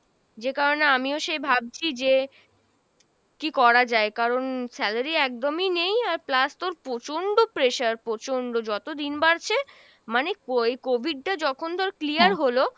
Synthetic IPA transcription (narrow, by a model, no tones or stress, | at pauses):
d͡ʑekaɾoneamioʃebʱab̚t͡ɕʰid͡ʑe | kikɔɾad͡ʑaekaɾonsɛlaɾiɛk̚d̪ominejaɾplast̪oɾpɾot͡ɕoɳɖopɾeʃaɾpɾot͡ɕoɳɖod͡ʑɔt̪od̪inbaɾt͡ɕʰe | manekoekobʱiɖ̚ʈad͡ʑɔkʰond̪ʱaɾeklijaɾɦolo